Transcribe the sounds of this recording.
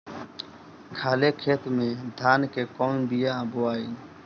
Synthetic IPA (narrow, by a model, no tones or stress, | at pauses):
kʰaːlekʰeːt̪mẽd̪ʱaːnkekɔːnbijãbʊaːiː